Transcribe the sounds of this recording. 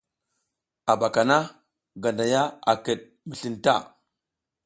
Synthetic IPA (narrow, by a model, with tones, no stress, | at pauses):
a˨ba˨ka˨na˦ | ɡa˨nda˨ja˦a˨kə˨ɗ̚ | mi˨ɬi˦˨nta̰˦˨